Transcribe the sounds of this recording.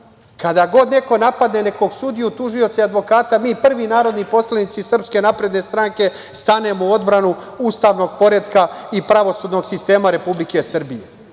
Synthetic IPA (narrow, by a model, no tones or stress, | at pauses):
kad̪aɡo̞d̪ne̞ko̞napad̪ne̞ne̞ko̞ɡsud̪ijut̪uʒio̞t̪saad̪ʋo̞kaːt̪amiːpr̩ʋinaːɾo̞d̪nipo̞slanit̪sisr̩pske̞napɾe̞d̪ne̞st̪ɾaŋke̞ | st̪ane̞moo̞d̪bɾanu | uːst̪aʋno̞ɡ̚po̞ɾed̪kaipɾaʋo̞sud̪no̞ɡsist̪e̞ːmaɾe̞publike̞sr̩bije